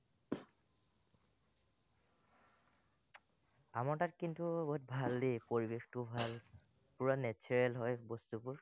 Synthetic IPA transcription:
amaɹtatkintubot̚bʱaldejpoɹibextubʱal | puɹanɛt͡ʃʰɔɹɛlɦɔjbostupuɹ

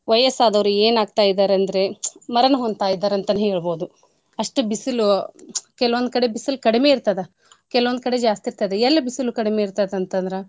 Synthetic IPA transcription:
ʋɐjɐsaːd̪ɐʋɐɾueːnaːɡ̚t̪aːjid̪aːɾeɐnd̪ɐɾe̞mɐɾɐnɐɦond̪t̪aːjid̪aːɾeɐnt̪ɐnɐɦeːɭbo̞ːd̪u | ɐʂʈubisilukɛlɐʋond̪̚kɐɽe̞bisilkɐɽime̞ːiɾt̪ɐd̪e | kɛlɐʋond̪̚kɐɽe̞d͡ʒaːst̪iɾt̪ɐd̪eɛlːɐbisilukɐɽimeːiɾt̪ɐd̪eɐnt̪ɐnd̪ɾe

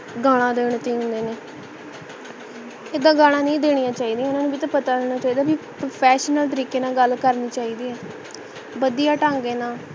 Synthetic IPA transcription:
ɡaːɽ̃ãːd̪eːɽ̃t̪eːɦʊ̃nd̪eːneː | eːd̪ãːɡaːɽ̃ãːnĩːd̪eːɽijãːt͡ʃaːiːd̪iːɛːʊnãːnũːbʱiːt̪ãːpət̪aːd̪eːɽ̃ãːt͡ʃaːiːd̪aːbiːpɾoːpʰɛːʃnəlt̪əɾiːkeːnãːɡəlkəɾniːt͡ʃaːiːd̪iːɛː | bəd̪ijaːʈãːŋɡeːnãː

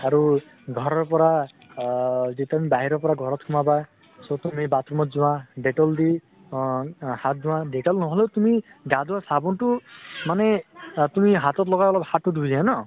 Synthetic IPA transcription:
aɾu | ɡʱɔɾɔɾpɔɾa | d͡ʒit̪amibaɦiɾɔpɔɾaɡʱɔɾɔt̪kʰumaba | sɔt̪umibat̪ɾɔmɔt̪d͡ʒuwãɖeʈɔld̪i | hat̪̚d͡ʒuwãɖeʈɔlnɔɦɔlet̪umiɡad̪wasabɔnʈumanet̪umiɦat̪ɔt̪lɔɡajɔlabhatud̪ʱuzianɔ

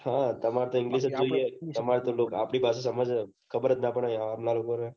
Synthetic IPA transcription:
hãt̪əmaɾet̪õɪŋɡliʃəd͡ʒoiet̪əmaɾet̪oloːka̰pɳipases̬əməd͡ʒ | kʰəbəɾət̪napəɳaaːmlalokoɾ

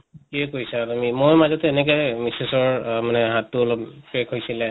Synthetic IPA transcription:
kiɛkojsaamimojmazɔtɛːnɛk̬ɔjmisesɔɹmanɛɦatːʊɔlɔppɹekʰɦojsilɛ

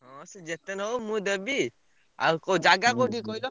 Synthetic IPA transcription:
ɔ̃sɛd͡ʒet̪ɛnɔwmud̪əbi | a̰kod͡ʒaɡakoʈikɔjlɔ

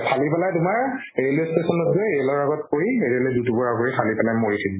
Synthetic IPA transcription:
pʰalipɛlajtʊmaɹ | elistesɔnɔtzɛeɛlɔɹaɡɔt̚koɹietiɛlɛdutubɔɹakoɹixʰalipɛlajmoɹitʰid

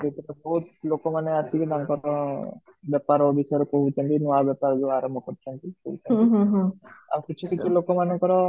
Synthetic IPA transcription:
d̪et̪ibabɔɦut̪lokɔmanɛasikid̪aŋkɔɾɔ | bɛpaɾobisɔjɔɾɔkoɦut͡ʃʰɔnt̪inɔabɛpaɾd͡ʒuaɾɔmbʱɔkɔɾt͡ʃʰɔnt̪ikoɦut͡ʃʰɔnɦa̰mikit͡ʃʰukit͡ʃʰulokɔmanɔkɔɾɔ

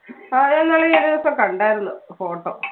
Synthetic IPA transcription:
aenːaːɭeðipːokɐɳɖaːjiɾunːufoːʈːo̰ː

